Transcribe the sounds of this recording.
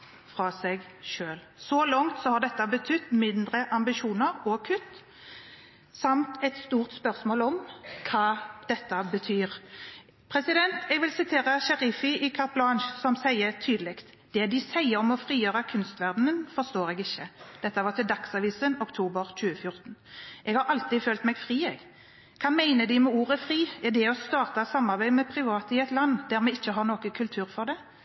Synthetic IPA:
fʁɑːsɛɡʃøːl | sɔlɔŋt̪sɔhɑʁd̪ɛt̪ːɑbət̪ʰʏt̪ːmɪnd̪ʁəʔɑmbɪʃuːnəʁɔkʰʉt̪ː | sɑmt̪ɛt̪st̪uːʁt̪spœʁsmoːlɔmkʰɑːd̪̥ɛt̪ːəbət̪ʰyːʁ | pʰʁɛsɪd̪ɛnt̪ʰɛɡʋɪlsɪt̪ʰeːʁəɕɛʁɪfɪʔɪkʰɑʁpʰlɑnʃsɔmsæɪət̪ʰyːd̪əlɪkt̪ | d̪̥ɛd̪ɪsæɪəɾɔmɔfʁiːjøːʁɑkʰʉnst̪ʋæʁd̪nənfɔʁst̪oːɾɛɡɪçːəd̪̥ɛt̪ːəʋɑʁt̪ɪld̪ɑksɑʋiːsənɔkt̪ʰuːbəʁc͡çʉːəfjʊɾt̪n̩ʔɛɡhɑɾɑlt̪ɪføːlt̪mɛɡfʁiːɛɡ | kʰɑnmæɪnəd̪ɪmɛuːʁəfɾiːɛd̪ɛɔst̪ɑːʁt̪ɑsɑmːɑɾbæɪmɛpʰɾɪʋɑːt̪əɪɛɪt̪lɑnːd̪æɾmɛɪçːəɦɑnoːkəkʰʉlt̪ʰʉːʁfɔʁd̪ɛ

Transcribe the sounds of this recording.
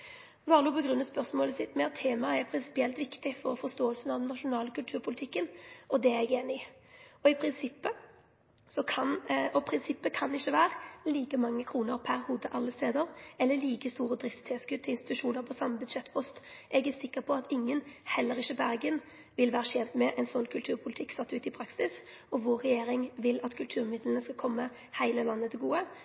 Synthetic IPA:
ʋɑːɾəluːpʰɔɡɾʉnːɑspœʁsmoːləsɪt̪mɛt̪ʰːeːmɑəɛɾpʰɾɪnsɪ̥pɪɛlt̪ʋɪkt̪ɪfɔɾfɔst̪oːəlsnɑʋd̪ɛnnːɑʂʊnɑːləkʰʉlt̪ʰʉːɾpʰʊlɪt̪ʰɪkːənʔɔd̪ɛɛɡeːnɪ | ɔɪpʰɾɪnsɪpːə | sɔkʰɑnɔpʰɾɪnsɪpːəkʰɑnɪçːəʋæːɾəliːkəmɑŋːəkʰɾuːnəʁpʰæɾhuːd̪əʔɑlːəst̪eːd̪əɾɛlːəliːkəst̪uːɾəd̪ɾɪft̪t̪ʰɛːskʉt̪t̪ʰːɪɪnst̪ɪt̪ʉʂuːnəɾpʰɔsɑmːəbʉd̪ʃɛt̪ːpʰɔst̪ʔɛɡæsɪkːəpʰɔɑt̪ɪŋːənhɛlːəɾɪçːəbæɾɡən | ʋɪlʋæːɾəʃɛnt̪mɛʔɛɪnsɔnːkʰʉlt̪ʰʉːɾpʰʊlɪt̪ʰɪkːsɑt̪ːʉːt̪ɪpʰɾɑksɪs | ɔʋoːɾɛjeːɾɪŋʋɪlɑt̪kʰʉlt̪ʰʉːɾmɪd̪lən̩əskɑkʰɔmːə | hæɪləlɑnːət̪ʰɪlɡuːə

